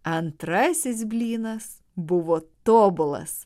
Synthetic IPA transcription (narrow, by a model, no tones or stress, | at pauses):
ɐnt̪ɾɐsʲɪsbʲlʲiːnɐs | bʊʋoːt̪oːbʊlˠɐ̰s